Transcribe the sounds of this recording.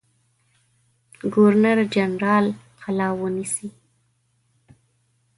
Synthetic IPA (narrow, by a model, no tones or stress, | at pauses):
ɡoɾnaɾd͡ʒanɾɑl | qʰalɑwənisi